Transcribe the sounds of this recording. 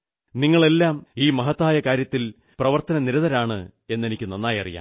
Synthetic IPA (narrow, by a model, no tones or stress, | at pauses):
niŋːɐɭe̞lːaːmiːmɐɦɐt̪ːaːjɐkaːɾjɐt̪ːil | prɐʋɐrt̪ɐnɐniɾɐðɐɾaːɳɨ̰e̞nːe̞nikʲːunɐnːaːjɐ̰rḭja̰ː